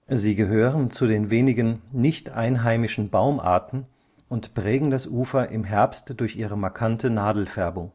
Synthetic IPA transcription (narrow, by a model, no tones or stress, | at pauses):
ziːɡəɦøːʁənt͡sudeːnveːnɪɡənnɪçtʔaɪnɦaɪmɪʃn̩baʊmʔa̰ːɐtn̩ | ʔʊntpʁ̥ɛːɡŋ̩dasʔuːfɐʔɪmɦɛɐpstd̥ʊɐçiːʁəmaɐkʰantʰənaːdl̩fɛɐbʊŋ